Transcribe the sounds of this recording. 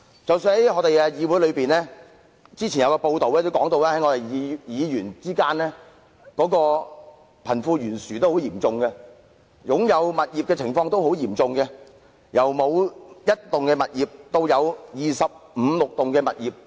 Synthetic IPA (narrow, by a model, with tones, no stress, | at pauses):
t͡sɐ˨˩wsyː˧nhɐ˨˦jŋɔː˨˧t̪e˨jɛː˧jiː˨˧wuː˨˥jlɵ˨˧piː˨nlɛː˥ | t͡siː˥t͡ɕʰi˨˩njɐ˨˧wkɔː˧po˧wt̪o˨wlɛː˥t̪o˥wkɔː˨˥ŋt̪o˧wlɛː˥hɐ˨˥jŋɔː˨˧t̪e˨˩jjiː˨˧jyː˨˩nt͡siː˥kaː˥nɛː˥ | kɔː˨˥kɔː˧ | pʰɐ˨˩nfuː˧ɥyː˨˩nsyː˨˩t̪o˥who˨˥wjiː˨˩mt͡sʊ˨ŋkɛ˧ | jʊ˨˥ŋjɐ˨˧wmɐ˨t̚jiː˨pkɛː˧t͡sʰɪ˨˩ŋfɔː˧ŋt̪o˥who˨˥wjiː˨˩mt͡sʊ˨ŋkɛ˧ | jɐ˨˩wmo˨˧wjɐ˥t̚t̪ʊ˨ŋkɛː˧mɐ˨t̚jiː˨p̚t̪o˧wjɐ˨˧wjiː˨sɐ˨p̚m̩˨˧lʊ˨k̚t̪ʊ˨ŋkɛː˧mɐ̰˨t̚jiː˨p̚